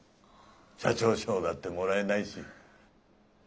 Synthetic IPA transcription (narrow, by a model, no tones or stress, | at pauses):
ɕat͡ɕo̞ːɕo̞ːd̪at̪ːe̞mo̞ɾae̞naiɕḭ